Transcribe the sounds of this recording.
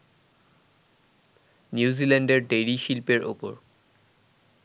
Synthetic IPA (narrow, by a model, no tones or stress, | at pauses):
njuzilɛndeɹɖejɹiʃilpeɹʔo̰pɔ̰ɹ